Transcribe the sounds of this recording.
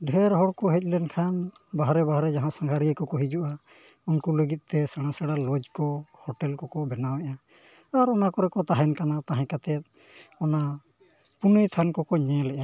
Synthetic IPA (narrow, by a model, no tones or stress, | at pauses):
ɖʱɛɾɦɔɽkɔɦɛc̚lɛnkʰan | baɦaɾɛbaɦaɾɛd͡ʒaɦãsãŋɡʱaɾiəkɔkɔɦid͡ʒuʔa | unkuləɡit̪̚t̪ɛsaɽ̃ãsaɽalɔd͡ʒkɔhɔʈɛlkɔkɔbɛnawɛʔaː | ɾɔnakɔɾɛkɔt̪aɦɛnkanat̪aɦɛ̃kat̪ɛt̪̚ˀ | ɔna | punəjt̪ʰankɔkɔɲɛ̃lɛʔa